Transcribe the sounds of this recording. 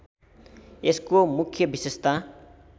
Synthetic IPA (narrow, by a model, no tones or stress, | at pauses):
eskomukʰjʌbisest̪a